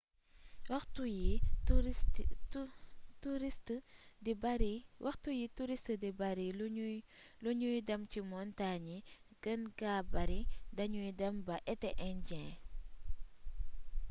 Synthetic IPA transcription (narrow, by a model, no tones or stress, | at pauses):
wɐxtuji | tuɾistdibɐɾiwɐxtujituɾistdibɐɾil | luɲujdɐmcimɔntaɲi | ɡ̥ənɡaːbɐɾidɐɲujdɐmbɐʔɛtɛʔɛnɟɛ̃